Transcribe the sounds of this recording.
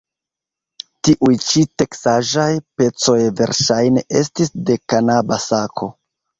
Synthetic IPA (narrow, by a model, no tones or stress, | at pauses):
tiʔujt͡ʃite̞ksaʒajpe̞t͡so̞jve̞̰ɾʃajne̞ʔe̞stisde̞kanabasakʰo̞